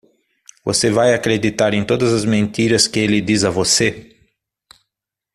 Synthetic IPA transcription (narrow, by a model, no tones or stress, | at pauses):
vo̰sevajakɾed̪it̪aɾẽj̃t̪od̪ɐzɐzmẽnt̪iɾɐskɪelɪd̪izɐvose